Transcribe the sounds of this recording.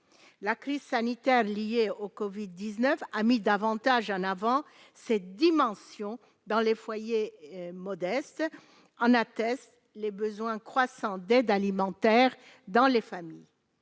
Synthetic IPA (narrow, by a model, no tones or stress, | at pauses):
lakχizsanit̪ɛʁlijeokɔvid̪ːiznœfamid̪avɑ̃t̪aʒɑ̃navɑ̃ | sed̪imɑ̃sjɔ̃ | d̪ɑ̃lefwajemɔd̪ɛst̪ | ɑ̃nat̪ɛst̪ | lebəzwɛ̃kχwasɑ̃d̪ɛd̪alimɑ̃t̪ɛʁ | d̪ɑ̃lefamij